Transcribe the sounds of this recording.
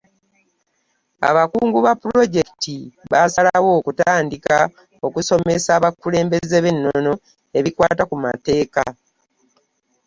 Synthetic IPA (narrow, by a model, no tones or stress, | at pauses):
a̰βakuːŋɡuβapːuɾo̞ɟe̞ki̥tiβasalawo̞ːkutaːndika | o̞kuso̞mesaːβakːule̞ːmbe̞zeβe̞nːono̞ | e̞βikwaːtakuma̰te̞ːka̰